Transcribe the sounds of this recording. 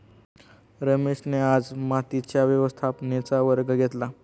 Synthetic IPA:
ɾəmeʂnead͡zmat̪it͡ɕjaʋjəʋəst̪ʰapnet͡saʋəɾɡəɡʱet̪la

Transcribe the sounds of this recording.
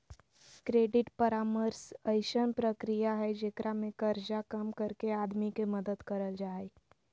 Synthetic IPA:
kɾeːɖɪʈpɐɾaːməɾsɐɪʃənpɾəkɾijaɦɛd͡ʒekɾʔamẽkɐɾd͡ʒakɐmkəɾkeaːd̪mikemɐd̪əd̪kɐɾəld͡ʒaːe

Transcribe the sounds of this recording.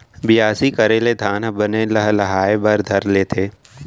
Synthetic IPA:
bɪjaːsikəɾeled̪ʱaːnbənelɐɦlɐɦaːebɐɾd̪ʱɐɾleːt̪ʰeː

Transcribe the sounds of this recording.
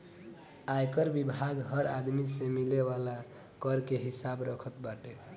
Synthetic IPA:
ajkəɾbibʱaɡɦəɾad̪misemileʋala | kəɾkeɦisabɾəkʰət̪baʈe

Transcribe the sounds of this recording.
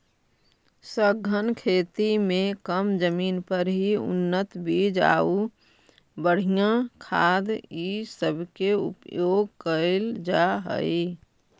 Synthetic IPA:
səɡʱənkʰeːt̪imẽkəmd͡ʒəmiːnpəɾɦiʊ̰nːət̪bid͡ʒa̰ːu | bəɽ̤ijãkʰaːd̪isəbʱkeʊ̰pjoːɡkəld͡ʒaɦə̰i

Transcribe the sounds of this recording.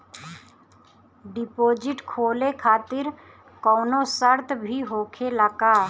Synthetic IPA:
ɖɪpoːd͡ʒɪʈkʰoːlekʰaːt̪ɪɾ | kɔːnosəɾt̪ʰbʱiɦoːkʰeləkaː

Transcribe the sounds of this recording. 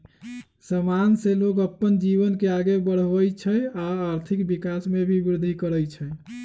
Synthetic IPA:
səmanselokəpːənd͡ʒiβənkeaɡebəɽ̤əjt͡ʃʰəjaːɾt̪ʰikbikasmebʱibɾud̪ʱikəɾəjt͡ʃʰə

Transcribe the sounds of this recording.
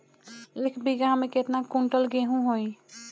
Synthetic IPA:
ekbiɡamẽket̪nakuɳʈəlɡeɦũɦoj

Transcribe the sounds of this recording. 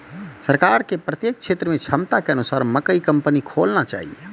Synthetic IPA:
səɾkaːɾkepɾət̪jeːk̚ʃʰeːt̪ɾəmẽt͡ʃʰəmt̪akeənusaːɾməkəikəmpənikʰoːlnat͡ʃa̰ːɦie

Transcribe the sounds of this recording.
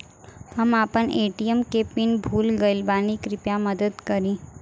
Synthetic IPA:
hɐmaːpəneːʈijəmkepɪnbʱuːlɡɐlbaːnikɾɪpjamɐd̪əd̪kɐɾĩː

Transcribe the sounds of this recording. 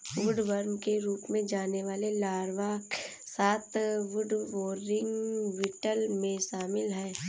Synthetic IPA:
ʋʊɖʋəɾmkeɾuːpmẽd͡ʒaːneʋaːlelaːɾʋaːk | saːt̪ʋʊɖʋoːɾɪ̃ŋɡʋɪʈəlmẽʃaːmɪlɦɛ̃ː

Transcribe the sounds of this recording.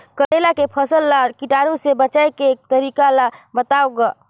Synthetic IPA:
kəɾelakepʰəsəlːakiʈaɾũsebət͡ʃaekeːk̚t̪əɾiːkalabət̪aːoɡa

